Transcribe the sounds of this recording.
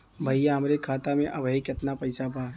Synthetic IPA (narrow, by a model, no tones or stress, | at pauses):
bʱəjjaɦɐmɾekʰaːt̪amẽʔɐbʱəikɪt̪napɐɪsapaː